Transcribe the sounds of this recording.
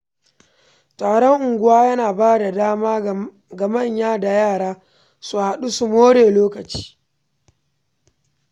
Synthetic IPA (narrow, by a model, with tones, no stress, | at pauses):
taː˨ɽɔ˦ŋʔʊ˨ŋɡʷʊ˦waː˦jɐ˦naː˨baː˦da˨daː˦maː˦ | ɡɐ˨mɐ˦˨ɲjaː˦da˨jaː˦˨ɽaː˦ | su˨ha˨ɗu˦su˨moː˦ɽeː˨loː˦kɐ˨t͡ʃi̥ː˦